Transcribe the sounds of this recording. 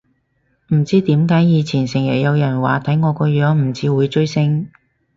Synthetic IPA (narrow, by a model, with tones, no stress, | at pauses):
m̩˨˩t͡siː˥t̪iː˨˥mkaː˨˥jjiː˨˧t͡sʰiː˨˩nsɪ˨˩ŋjɐ̰˨˩jɐ˨˧wjɐ˨˩nwaː˨t̪ʰɐ˨˥jŋɔː˨˧kɔː˧jœː˨˥ŋm̩˨˩t͡sʰiː˨˧wuː˨˧jt͡ʃɵ˥ɥsɪ˥ŋ